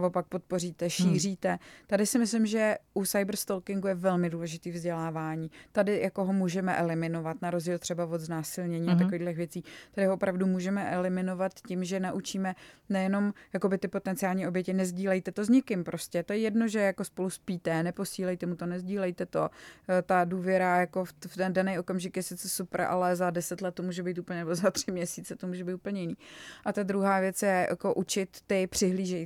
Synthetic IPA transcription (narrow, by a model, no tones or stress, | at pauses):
vo̞pak̚po̞t̪̚po̞riːt̪ɛʃiːr̝iːt̪ɛt̪adɪsɪmɪslɪmʒɛʔusajbr̩st̪olkɪŋɡujɛvɛlmɪduːlɛʒɪt̪iːvzɟɛlaːvaːɲiːt̪adɪjako̞ɦomuːʒɛmɛʔɛlɪmɪno̞vat̪naɾozɟiːlt̪r̝̥ɛbavo̞d̪znaːsɪlɲɛɲiːat̪akoviːɣdlɛxvjɛt͡siːt̪adɪhoopɾavdumuːʒɛmɛʔɛlɪmɪno̞vat̪cɪmʒɛnaʔut͡ʃiːmɛnɛjɛno̞mjakobɪt̪ɪpo̞t̪ɛnt͡sɪaːlɲiːʔo̞bjɛcɪnɛzɟiːlɛjt̪ɛt̪o̞zɲɪkɪmpɾʔo̞scɛt̪ojɛjɛdno̞ʒɛjako̞spo̞luspiːt̪ɛnɛpo̞siːlɛjt̪ɛmut̪onɛzɟiːlɛjt̪ɛt̪o̞t̪aduːvjɛɾajako̞fft̪ɛndanɛjo̞kamʒɪkjɛsɪt͡sɛsupɾʔa̰lɛzadɛsɛt̪lɛt̪̚ːomuːʒɛbijt̪upəɲɛnɛbozat̪r̝̥ɪmɲɛsiːt͡sɛt̪o̞muːʒɛbiːt̪u̥pəl̩ɲɛjɪniːʔat̪ad̪ɾuɦaːvjɛt͡sjɛjʔa̰ko̞ʔut͡ʃɪt̪ːɪpr̝̥ɪɦliːʒɛj